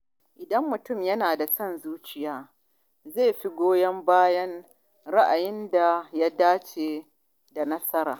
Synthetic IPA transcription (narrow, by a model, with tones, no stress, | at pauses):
ʔɪ˨dɐ˦mːʊ˨tʊ˦˨mjɐ˦naː˨da˨sɐ˦˨nzuː˦t͡ʃɪ˦jaː˦ | ze˦˨ɸi˦ɡʷoː˦jɐ˦mbaː˦jɐ˦n | ɾa˦ʔa˨jɪ˦nda˨ja˦daː˦t͡ʃeː˨ | da˨nɐ˦sɐ˦ɾaː˨